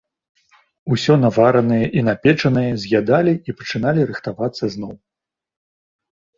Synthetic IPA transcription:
usʲɔnavaɾɐnɐjɐʔinapʲɛt͡ʂɐnɐjɐzʲɣʲjad̪alʲiipɐt͡ʂɨnalʲiɾɨxt̪avat̪sːɐzn̪ɔw

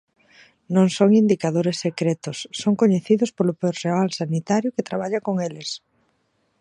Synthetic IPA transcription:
nõŋsoŋind̪ikaðoɾesːekɾet̪ʊsːoŋkoɲeθiðʊspolʊpeɾrealsanit̪aɾjʊket̪ɾaβ̞aʎakoŋelɪs

